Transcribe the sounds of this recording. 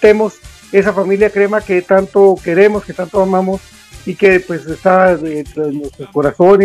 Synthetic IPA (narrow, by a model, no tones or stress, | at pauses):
t̪e̞mo̞s | e̞safamiljakɾe̞maket̪ant̪o̞ke̞ɾe̞moske̞t̪ant̪oamãmo̞s | ike̞pwe̞sest̪aet̪nwest̪ɾosko̞ɾaso̞ne